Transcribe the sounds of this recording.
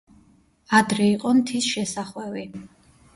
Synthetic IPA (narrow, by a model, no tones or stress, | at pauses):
ad̪ɾɛiqʼɔnt̪ʰisʃɛsaχwɛvi